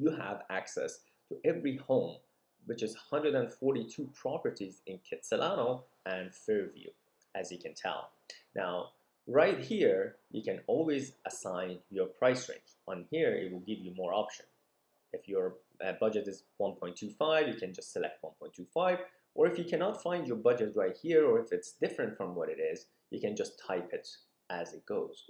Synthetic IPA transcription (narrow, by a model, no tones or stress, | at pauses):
jɨəvæksɛ̰s | tʰəʔɛvɹihõʊ̃m | wɨt͡ʃɨzhʌ̃ndɹəɾə̃nfɔɹɾitʰupʰɹ̥ɑpə˞ɾizɨ̃nkʰɛtsəlʔano | ʔɨ̃nfɛɹvjʉ̰ | ʔɨzjɨkʰɨ̃ntʰɛ̰lˠ | nʔa̰ʊ | ɹaɪt̚hiɹjɨ̰kɨ̃nɔlˠwizəsãɪ̃njə˞pʰɹ̥aɪsɹḛ̃nd͡ʒə̃nhiɹɪ̰t̚wɪlˠɡɪvjɨmɔɹɑpʃɨ̃n | ɨfjə˞ | bʌd͡ʒɨɾɨzwʌ̃npʰɔ̃ɪ̃ntʰʉfaɪvjɨkʰɨ̃nd͡ʒʌstsɨlɛ̰k̚t̚wʌ̃npʰɔ̃ɪ̃ntʰʉfaɪv | ʔə˞ɨfjɨkʰænɑtfãɪ̃nd͡ʒjə˞bʌd͡ʒɨt̚ɹaɪt̚hiɹə˞ɨfɨtsd̥ɪfɹɨ̃ntfɹʌ̃mwʌɾɨɾɪz | jɨ̰kɨ̃nd͡ʒʌstʰaɪpɨt | ʔɨzɨt̚ɡ̥oʊz̥